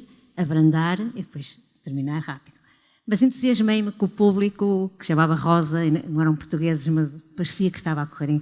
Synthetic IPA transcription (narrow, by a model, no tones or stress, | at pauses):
ɐβɾɐ̃nd̪aɾiðɨpojʃ | t̪ɨɾminaɾʁapiðu | mɐzẽnt̪uziɐʒmɐ̃j̃mkõupuβlˠikukɨ̥ʃɐmavɐʁɔzɐinnɐ̃w̃ɛɾɐ̃w̃puɾt̪uɣezɨʃmɐzpɐɾsiɐkʃt̪avakuʁeɾẽ